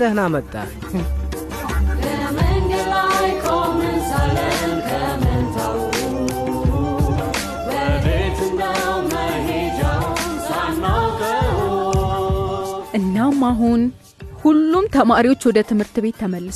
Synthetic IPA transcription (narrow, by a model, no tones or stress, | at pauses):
əhnamət̪ʼːa̰l | bəmɨŋɡɨlajkʰomɨnsaləmkʰəmɨnt̪ʰaw | bəbet̪ɨnːawməned͡ʒawusanːaɡəu | ʔɨnːamːaɦun | hulːumt̪ʰəmaɾiwo̞t͡ʃːwɔd̪ət̪ʰɨmhɨɾt̪ɨβe̞t̪ʰːəməlːɨs